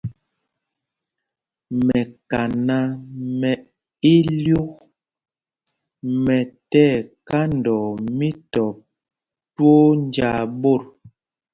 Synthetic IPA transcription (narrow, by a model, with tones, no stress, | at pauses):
mɛ˨ka˨na˦mɛ˨ | i˦lju˦k | mɛ˨tɛ˦˨ka˦ndɔ˨mi˦tɔ˨p̚ | two˦nd͡ʒa˨bo˦˨ɾ